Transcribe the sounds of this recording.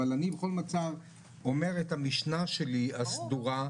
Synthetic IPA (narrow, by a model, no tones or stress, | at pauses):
alanibeχo̞lmat͡sav | o̞me̞ʁethamiʃnaʃe̞liasduʁa